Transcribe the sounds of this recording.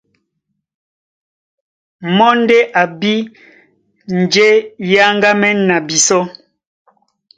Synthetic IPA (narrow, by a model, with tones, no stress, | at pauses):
mɔ˦n˦de˦ʔa˨bi˦ | n̩˨d͡ʒe˦ja˦ŋ˦ɡa˦mɛ˦na˨bi˨sɔ˦